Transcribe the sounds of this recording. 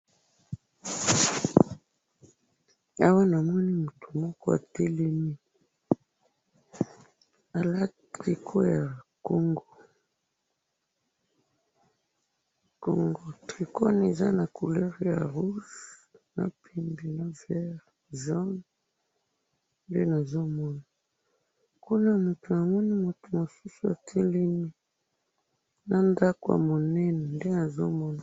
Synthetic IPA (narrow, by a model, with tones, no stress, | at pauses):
a˦wa˦na˨mɔ˦ni˦mu˨tu˨mɔ˦kɔ˦a̰˨tɛ˦le˦mi˦ | a˨la˦ | tʁi˨kʰo˦ja˨ko˦ŋɡo˨ | ko˨ŋɡo˨tʁi˨kɔ˦ne˨za˦na˨ku˨lɛ˦ʁja˨ʁu˦sna̰˨pʰi˨mbi˨na˨vɛ˦ʁ | ʒɔ˦n | nde˦na˨zo˦mɔ˦na˨ | ku˦na˦mu˨tu˨na˨mɔ˦ni˦mo˨tu˨mo˨su˦su˨a̰˨tʰe˦li˦ni˦ | na˨nda˦ko˨ja̰˨mo˨nɛ˦nɛ˨nde˦na˨zo̰˦mɔ˦na˨